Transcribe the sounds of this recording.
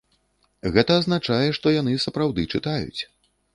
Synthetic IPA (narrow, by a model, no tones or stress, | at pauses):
ɣɛt̪ɐːznat͡ʂajɛʂt̪ɔjan̪ɨsɐpɾawd̪ɨt͡ʂɨt̪ajṵt͡sʲ